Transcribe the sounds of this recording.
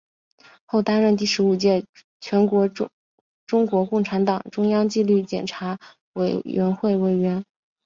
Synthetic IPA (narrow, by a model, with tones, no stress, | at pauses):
xo˥˩ʊt̪a˥nɻə˥˧nt̪i˥˩ʂɻ̩˧˥u˨˩t͡ɕjɛ˥˩ | t͡ɕʰɥɛ˧˥nkwɔ˧˥ | ʈ͡ʂʊ˥ŋkwɔ˧˥kʊ˥˩ŋʈ͡ʂʰa˧˥nt̪ɑ˨˩ŋʈ͡ʂʊ˥ŋjɑ˥ŋt͡ɕi˥˧ly˥˩t͡ɕjɛ̰˨˩nʈ͡ʂʰa˧˥ | we˨˩ɪɥɛ˧˥nxwe˥˩ɪwe˨˩ɪɥɛ˧˥n